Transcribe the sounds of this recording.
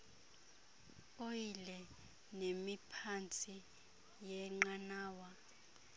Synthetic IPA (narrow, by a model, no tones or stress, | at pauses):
ɓojilɛ | nemipʰant͡sʼi | jɛŋ͡ǃanaːwa